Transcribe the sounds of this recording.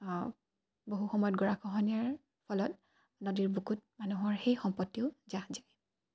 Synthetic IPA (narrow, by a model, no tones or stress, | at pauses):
boɦuxɔmɔjɔt̚ɡɔɹakʰɔɦɔnɛɹ | pʰɔlɔt | nodiɹbukut̚manuɦɔɹxejxɔmpɔtːiʊzazaj